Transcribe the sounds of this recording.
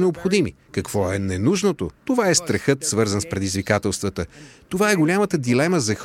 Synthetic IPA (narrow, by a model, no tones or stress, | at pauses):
nɛopxod̪imi | kɐkv̥ɔɛnɛnuʒnot̪ot̪ovaɛst̪ɾɐxɤt̪svɤɾzənspɾɛd̪izvikat̪ɛlˠst̪vət̪ət̪ovaɛɡolʲamət̪əd̪ilɛməzɐx